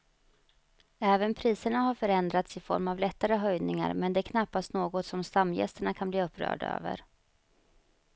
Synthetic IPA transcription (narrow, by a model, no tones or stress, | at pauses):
ɛːvənpʰɾiːsəɳaɦaɾfœɾɛnd̪ɾat̪sɪfɔ̰ɾmavlɛt̪ːaɾəɦœjnɪŋa̰ɾmɛnd̪ɛːkʰnapːast̪noːɡɔt̪sɔmst̪amːjɛ̰st̪əɳakʰanbliːɵpːɾœ̰ːɖa̰ø̰ːvə̰ɾ